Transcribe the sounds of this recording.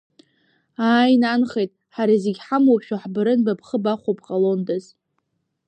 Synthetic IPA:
aːjnanχejtʼħaɾizeɡʲħamwaʃᶣaħbɨɾɨnbapʰχəbaχʷopqʼalo̞ndɨz

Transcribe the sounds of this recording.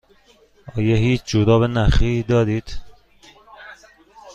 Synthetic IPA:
ɒːjeɦiːt͡ʃʰd͡ʒod̪ɒːbenæxid̪ɒːd̪iːd̪̥

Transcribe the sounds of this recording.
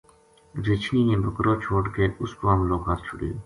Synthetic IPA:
ɾɪt͡ʃʰniːnẽːbəkɾoːt͡ʃʰoːʈkeːʊskoːəmloːɡɦat̪t͡ʃʰʊɽijoː

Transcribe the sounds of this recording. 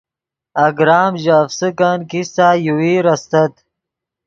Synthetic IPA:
aɡɾaːmʑafsəkankisajuwiːɾast̪ɐt̪

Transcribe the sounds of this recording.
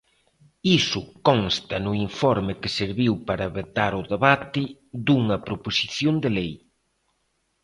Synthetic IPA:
isʊkɔnst̪ɐnʊiɱfɔɾmɪkɪseɾβiwpaɾɐβet̪aɾʊðeβat̪ɪd̪uŋɐpɾoposiθjond̪elej

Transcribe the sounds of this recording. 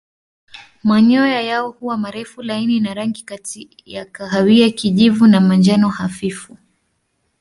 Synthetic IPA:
maɲɔɔjajaɔhuwamaɾɛfulaininaɾaŋɡikati | ja̰kaɦawiakiʄivunamand͡ʒanɔhafifu

